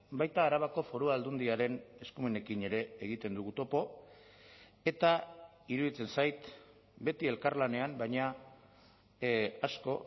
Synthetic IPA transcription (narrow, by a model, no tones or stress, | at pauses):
bajt̪aːɾaβako̞fo̞ɾuaːld̪und̪iaɾe̞ne̞skumene̞kine̞ɾe̞ːɣ̞it̪e̞nd̪uɣut̪o̞po̞ | e̞t̪a | iɾuðit͡se̞nsajt̪ | be̞t̪ie̞lkaɾlane̞ambajɲa | asko̞